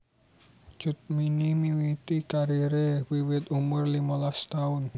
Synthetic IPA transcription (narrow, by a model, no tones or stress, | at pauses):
d͡ʒ̥ʊt̪̚minimiwit̪ikaɾiɾewiwɪt̪umʊrlimalast̪aʊn